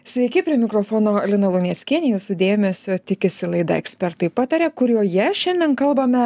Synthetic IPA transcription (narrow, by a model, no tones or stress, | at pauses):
sʲʋʲɛɪkʲɪpʲɾʲiɛmʲɪkɾoːfoːnoːlʲɪnɐlˠʊnʲɛtsʲkʲiɛnʲejʊsʊd̪ʲeːmʲɛsʲʊt̪ʲɪkʲɪsʲɪlˠɐɪd̪ɐ̰ɛksʲpʲɛɾt̪ɐɪpɑːt̪ɐɾʲɛːkʊɾʲuːjɛʃʲɛnʲd̪ʲɛnkɐlˠbɐmʲɛ